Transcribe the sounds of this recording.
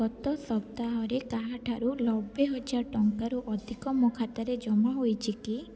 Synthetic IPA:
ɔt̪ɔsɔp̚t̪aɦɔɾekaɦaʈʰaɾulɔbeɦɔt͡ʃaʈɔŋkaɾuʔɔd̪ʱikɔmɔkʰat̪aɾed͡ʒɔmaɦojt͡ʃʰiki

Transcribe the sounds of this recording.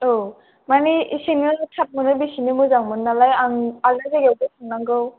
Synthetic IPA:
o | maniisinɯtʰat̚mɯnɯbisinimuzaŋmɯnːalajaŋalazeɡewdesɯŋnaŋɡɯw

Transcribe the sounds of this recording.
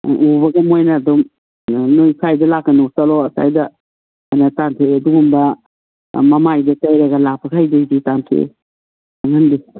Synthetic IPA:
ʔubɐɡɐmojnɐːdɔm | nojkʰajdɐlakːɐnosalɔɐsa̰jdɐ | anɐtantʰeɐduɡumbɐ | mɐmajdɐtajɾɐɡɐlapʰakʰajdejditantʰḛ | aŋandi

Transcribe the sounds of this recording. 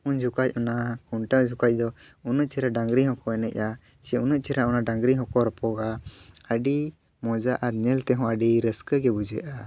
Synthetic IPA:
uɲd͡ʒukac̚ˀɔnakuɳʈad͡ʒukac̚ˀd̪ɔunəʔt͡ʃɛɾaɖãŋɡɾihɔ̃kɔɛnɛc̚ˀa | t͡ʃɛunəʔ̚t͡ʃɛɾaɔnaɖaŋɡɾiɦɔ̃kɔɾpɔɡaəɖi | mɔd͡ʒaʔaɾɲɛlt̪ɛɦɔ̃əɖiɾəskəɡɛbud͡ʒɛʔa

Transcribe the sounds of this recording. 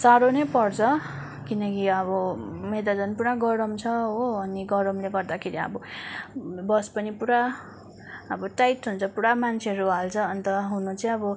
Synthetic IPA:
saɾonejpʌrt͡sʰʌ | kinʌkiʌbʌmed̪ad͡zʌnpuɽaɡʌɾʌmt͡sʰʌɦoʌniɡʌɾʌmleɡʌrd̪akʰeɾiʌ̰bʌ | bʌspʌnipuɾa | ʌbʌʈajtɦunt͡sʰʌpuɽamant͡sʰeʌɾuɦalt͡sʰʌːnit̪ʌɦunut͡sʌj̃ʌbʌ

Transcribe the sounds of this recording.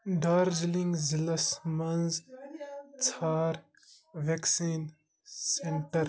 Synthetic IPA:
ɖaːɾziliŋɡzilɐsmɐnz | t͡sʰaːɾ | ʋeksiːn | seɳʈəɾ

